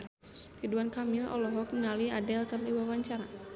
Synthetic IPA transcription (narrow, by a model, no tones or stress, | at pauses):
t̪iduankamilɔ̰lɔɦɔk̚mŋaliadɛlk̪ərliwawaɲt͡ʃaɾa